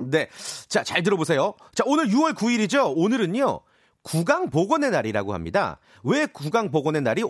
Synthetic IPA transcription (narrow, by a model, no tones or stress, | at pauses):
ne̞t͡ɕat͡ɕaɭt̬ɯɾʌbosʰe̞jo | t͡ɕaonɯɾjuwʌɭkuiɾid͡ʑoonɯɾɯɲo | kuɡaŋpoɡʌne̞naɾiɾa̰ɡoha̰mɲida̰ | we̞kuɡaŋpoɡʌne̞naɾi